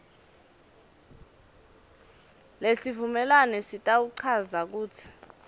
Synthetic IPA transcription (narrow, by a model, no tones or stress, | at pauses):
lesivumɛlanɛsitʼawuǀʰazak̬uːt͡sʰi̥